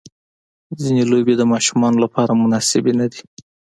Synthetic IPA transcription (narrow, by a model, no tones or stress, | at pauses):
zinelobed̪əmɑʃumɑnolapʰɑɾamʊnɑsɪbenad̪i